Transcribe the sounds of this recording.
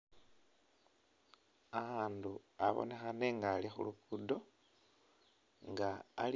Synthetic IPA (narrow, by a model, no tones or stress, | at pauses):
aːnduaβo̞̰ne̞xane̞ŋɡalixṵlukudo̞ | ŋɡaːl